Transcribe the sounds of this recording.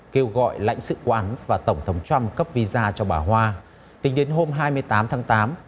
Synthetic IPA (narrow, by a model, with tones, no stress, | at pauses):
ke˧wɣɔ̰˧˨jla̰˧˥jŋ̟sɨ̰˧˨kaː˨˦ʔa˨˦nvaː˨˩t̪ə˧˩wŋ͡mt̪ʰə˨˦wŋ͡mt͡ɕa˧mkə˦˥p̚vi˧zaː˧t͡ɕɔ˧ɓaː˧˩ɦwaː˧ | t̪ï˨˦ŋ̟ɗe˨˦nɦo˧mɦaː˧jmɨ˧əjt̪aː˨˦mt̪ʰaː˨˦ŋt̪aː˨˦m